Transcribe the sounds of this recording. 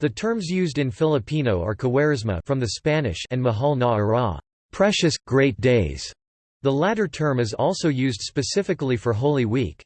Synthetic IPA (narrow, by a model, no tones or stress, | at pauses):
ðɨtʰɜ̃˞mzjʉzdɨ̃nfɪlˠəpʰĩnoʊə̰˞kʰəwɛɹɨzmə̰fɹʌ̃mðɨspænɪ̰ʃɨ̃nməɦɑlˠnɑɹɑ̰ | pʰɹ̥ɛʃɨsɡ̥ɹeɪt̚d̥eɪz̥ | ðəlæɾə˞tʰɜ̃˞mɨzɔlˠsoʊjʉzd̥spɨsɪfɨkl̩ˠifə˞ɦoʊlˠiwik